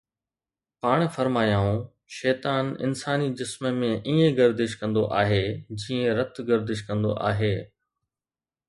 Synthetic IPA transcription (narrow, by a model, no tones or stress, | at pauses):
paːɽ̃fɐɾmaːjãːũ | ʃɛːt̪aːnɪ̰nsaːnid͡ʑɪsməmẽʔiːẽɡɐɾd̪ɪʃkɐ̃nd̪oʔaːɦed͡ʑiːẽɾɐt̪ɡɐɾd̪ɪʃkɐ̃nd̪o̰ʔa̰ːɦeː